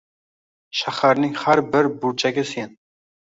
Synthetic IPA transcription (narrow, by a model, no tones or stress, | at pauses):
ʃaχaɾnɪŋhæɾbɪɾbuɾt͡ʃʰaɡʲɪsjen